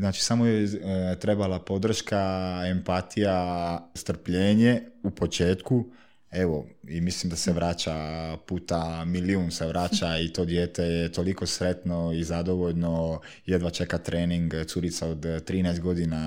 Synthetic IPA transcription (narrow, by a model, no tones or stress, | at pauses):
znaːt͡ʃi̥samojet̪ɾe̞balapo̞d̪r̩ʃkaempat̪ʰijast̪r̩pʎeːɲeupo̞t͡ʃeːt̪ku | eʋoimislimd̪aseʋɾat͡ʃapuːt̪amiliunseʋɾaːt͡ɕait̪o̞ːd̪jeːt̪ejet̪o̞liko̞sɾe̞t̪noizad̪oʋoʎno | jed̪ʋat͡ʃe̞kat̪ɾeːniŋɡt̪suɾit̪saod̪t̪ːɾiːnajst̪̚ɡo̞d̪ina